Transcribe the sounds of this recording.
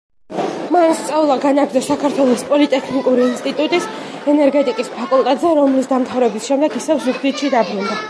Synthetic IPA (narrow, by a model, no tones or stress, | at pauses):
manst̪sʼɛulˠaɡanakʰd̪asakʰaɾt̪ʰwɛlˠɔspʼɔlit̪ʼɛkʰnikʼuɾiːnst̪ʼit̪ʼut̪ʼis | ɛnɛɾɡɛt̪ʼikʼispʰakʼulˠt̪ʼɛt̪ʼzɛɾɔmlisd̪amt̪ʰavɾɛbisʃɛmd̪ɛɡisɛvzuɡzit̪ʃid̪abɾund̪a